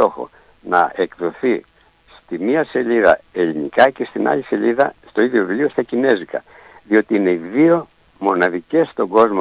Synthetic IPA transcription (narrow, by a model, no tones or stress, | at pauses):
o̞xo̞̰ | nɐ̰ekðoθi | st̪imiɐse̞ʎiðɐ̰elinḭkɐce̞st̪inɐ̰ʎise̞ʎiðɐst̪o̞iðjovuliost̪ɐcine̞zikɐ̰ | ðio̞t̪iine̞iðio̞ | mo̞nɐðice̞st̪o̞ɡo̞zmo